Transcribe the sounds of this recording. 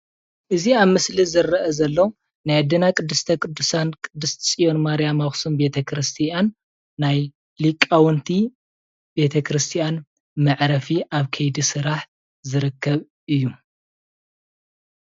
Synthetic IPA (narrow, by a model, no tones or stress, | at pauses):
ʔɨziaβmɨslizɨrːɐʔɐzɐlːo | najad̪ɐnakʼɨd̪ːɨst̪ʰɐkʼɨd̪ːusankʼɨd̪ːɨst̪ʰt͡sʼijo̞nmaɾijamaxsumbe̞t̪ʰɐkʰɾɨst̪ʰijanː | aj | likʼːawɔnt̪ʰi | be̞t̪ʰɐkʰɾɨst̪ʰijan | mɐʕɾɐfiʔaβkʰɐjd̪isɨɾaħ | zɨɾɨkːɐβ | ʔɨjːu